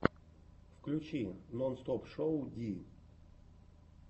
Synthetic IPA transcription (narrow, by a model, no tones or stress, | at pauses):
fklʲut͡ɕinɔnst̪ɔpʂowdʲi